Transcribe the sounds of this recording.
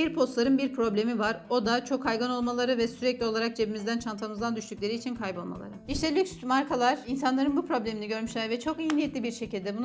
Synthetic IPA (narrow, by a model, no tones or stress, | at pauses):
iɾpʰo̞st̪lˠaɾɯnbiɾpʰɾo̞blʲe̞mivaɾo̞d̪at͡ʃʰo̞kʰːajɡano̞lˠmalˠaɾɯvɛsyɾɛclʲio̞lˠaɾak̚d͡ʒe̞bimizd̪ænt͡ʃʰant̪ʰamɯzd̪and̪yʃt̪yc̚lʲe̞ɾiːt͡ʃʰinkʰajbo̞lˠma̰lˠa̰ɾɯiʃt̪ɛlʲyksmaɾkʰalˠaɾ̥insanlˠaɾɯnbupɾo̞blʲe̞miniɟø̞ɾmyʃlʲæɾvɛt͡ʃʰo̞kijnijet̪lʲibiɾʃe̞cilʲd̪ɛbun